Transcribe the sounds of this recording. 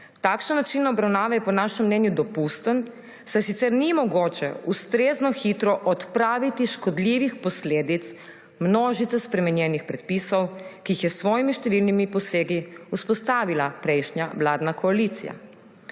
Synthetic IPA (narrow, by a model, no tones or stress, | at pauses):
t̪aːkʃnanat͡ʃinaɔbɾawnaːʋajɛpɔnaːʃɛmːnɛːnjud̪ɔpust̪ən | sajsit̪sɛɾnimɔɡoːt͡ʃɛust̪ɾeːznɔxit̪ɾɔʔɔt̪pɾaːʋit̪iʃkɔd̪liːʋixpɔsleːd̪it̪s | mnoːʒit̪ɛspɾɛmɛnjɛnixpɾɛt̪̚pisɔwkiːxjɛsʋɔːjimiʃt̪ɛʋilnimipɔseːɡiuspɔst̪aːʋilapɾɛjʃnjawlaːd̪nakɔalit̪sḭja̰